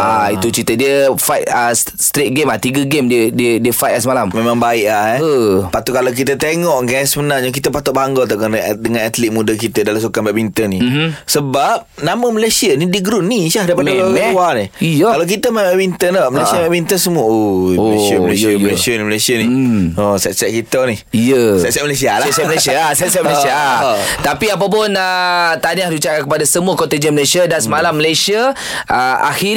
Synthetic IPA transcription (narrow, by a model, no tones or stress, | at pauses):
ait̪ut͡ʃit̪ədiəfajt̚ə | st̪ɾet̪̚ɡemat̪iɡəɡemdiədiədiəfajt̪səmalammemãŋbaɪʔlahɛəpat̪ʊʔkalak̬it̪ət̪eŋɔʔɡasmənad͡ʒak̬it̪əpat̪ʊt̪̚bɦaŋɡɔlt̪̬akəanədəŋãnat̪lit̪̚mũdək̬it̪ədalamsukambɛʔ̚mint̪ənisəbap̚naməməlesiənidəɡɾunːisahdaipadalauaniijakalak̬it̪əmɛbɛʔbint̪ənaməlesiabɛʔbint̪ənsəmuəojlesiəməleəməlesiəniməlesiəniosɛt̪̚sɛʔ̚kit̪əni | ijəsɛt̪̚sɛt̚məlesialaɛt̪sɛməlesiasɛt̪̚sɛtməlsiat̪apiap̬ap̬ʊnət̪aniahdut͡ʃaankəpadasəmũakɔt̪ed͡ʒəməlesiədansəmalamːəlesiə | ʔəa̰xi